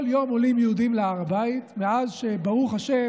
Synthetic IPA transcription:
ljo̞molimjeud̪imleaʁabait̪meazʃebaʁuχaʃe

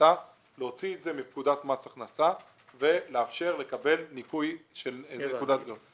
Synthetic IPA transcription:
a | leo̞t͡sietze̞mip̚kud̪atmasaχnasa | ve̞leafʃe̞ʁle̞kabe̞lnikujʃelekud̪atzo

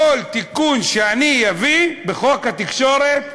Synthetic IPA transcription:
olt̪ikunʃeanijavibeχokat̪ikʃoɾet̪̚

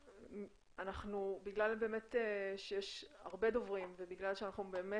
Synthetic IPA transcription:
anaχnubiɡlalbe̞ːme̞teʃejɛʃa̰ʁbe̞do̞vʁimvebiɡlalʃeanaχnube̞ːme

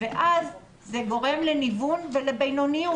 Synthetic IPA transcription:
veʔaz | zeɡo̞ʁe̞mle̞nivunvelebejnoniu

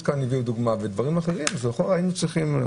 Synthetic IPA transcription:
kanːiviud̪uɡmaved̪vaʁimaχeʁimzeχoʁainut͡sʁiχim

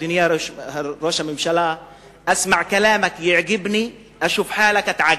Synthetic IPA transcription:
ɪnɪjaɾɾoːʃamɪmʃala | ʔasmaʕkalaːmakjɪʕɡɪbni | ʔaʃuːfħaːlakʔat̪ʕaɡ

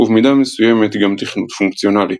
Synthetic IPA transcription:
uvmid̪amesuje̞me̞t̪ɡamt̪iχnut̪fuŋkt͡sjo̞nali

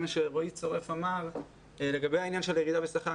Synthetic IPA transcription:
maʃeʁojit͡soʁɛfamal | leɡabehainjanʃɛljeʁiːd̪avesaχa

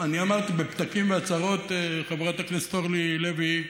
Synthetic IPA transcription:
aniamaʁt̪ibept̪akimveat͡saʁo̞t̪eχevʁat̪aknestoʁlilevi

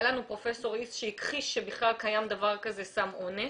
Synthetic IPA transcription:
lanupʁo̞fe̞so̞ʁisʃeikχiʃʃebiχlalkajamd̪avaʁkaze̞samo̞ne

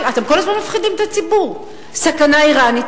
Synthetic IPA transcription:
at̪e̞mkolazmanmafχid̪imet̪at͡sibuʁ | sakanaiʁanit

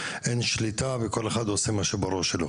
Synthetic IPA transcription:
ʔenʃlit̪aveko̞leχad̪osemaʃebaʁuʃelo

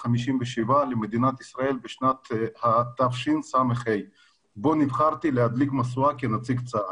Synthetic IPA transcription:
χamiʃimveʃivalemed̪inat̪isʁae̞lbeʃnat̪hat̪ːavʃinsameχhej | bo̞nivχaʁt̪ilehad̪likmasuakenat͡siɡt͡sa

